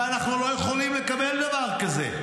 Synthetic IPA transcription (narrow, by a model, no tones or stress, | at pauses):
anaχnulo̞jeχolimlekabeld̪avaʁkazḛ